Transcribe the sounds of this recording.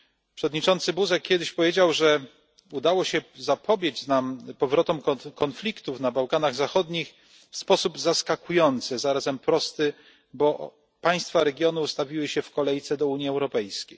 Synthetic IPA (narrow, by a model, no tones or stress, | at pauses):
pʂɛvɔd̪ɲit͡ʂɔnt̪sɘbuzɛkʲːjɛd̪ɘɕpɔvʲed͡ʑawʐɛ | ud̪awɔɕɛzapɔbʲjed͡ʑnampɔvɾɔt̪ɔmkkɔnflʲikt̪ufnabawkanaɣzaxɔd̪ɲix | fspɔsubzaskakujɔnt̪sɘzaɾazɛmpɾɔst̪ɘ | bɔ | paj̃st̪faɾɛɡʲjɔnuːst̪avʲiwɘɕɛfkɔlɛjt̪sɛd̪ɔuɲiɛwɾɔpɛjskʲej